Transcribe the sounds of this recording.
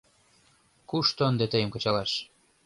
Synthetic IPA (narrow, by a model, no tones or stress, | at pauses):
kuʃt̪ŏənd̪ĕt̪ə̆jə̆mkɤ̆t͡ɕɑlɑʃ